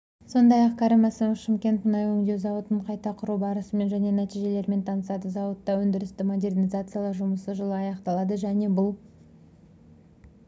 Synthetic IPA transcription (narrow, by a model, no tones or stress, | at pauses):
so̞nd̪ɑjɑqkʲʰɑɾɪmɑsəʃɪmkʲe̞nt̪mənɑjwɵŋd̪ewzɑwət̪əɴqʰɑjt̪ɑqʰʊɾubɑɾəsəme̞nʒæne̞næt̪ijʒe̞le̞ɾme̞nt̪ʰɑnəsɑd̪əzɑwət̪ːɑwɵnd̪ɪɾɪst̪ɪmo̞d̪ʲe̞rnʲizat̪sɨjalˠɑɾʒʊməsəʒəlˠəɑjɑqt̪ɑlˠɑd̪əʒæne̞bʊlˠ